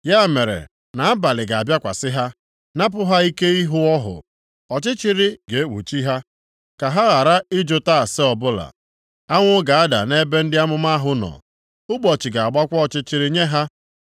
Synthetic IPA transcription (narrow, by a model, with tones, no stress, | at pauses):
ja˦˨me˨ɾḛ˨ | na˨a˦ba˨lɪ˨ɡa˨a˨bja˦kʷa̰˨sɪ˦ɦa˦ | na˦p̬ʊ˦ɦa˦i˦ke˦i˦ɦʊ˦ɔ˦ɦʊ̰˨ | ɔ˨t͡ʃɪ˦t͡ʃi˦ɾi˦ɡe˨e˦wṵ˨t͡ʃi˦ɦa˦ | ka˨ɦa˦ɣa˨ɾa˦ɪ˦d͡ʒʊ˦ta˦˨sɪ˦ɔ˨bʊ˦la̰˨ | a˦ŋʷʊ˦ɡa˨a˦da̰˨ne˦be˦n̩˦dɪ˦a˦mʊ˦ma˦ɦʊ˦nɔ̰˨ | ʊ˦ɡ͡bɔ˨t͡ʃi˨ɡa˨a˨ɡ͡ba˦kʷɔ˦ɔ˨t͡ʃɪ˦t͡ʃɪ˦ɾi˦ɲe˦ɦa˦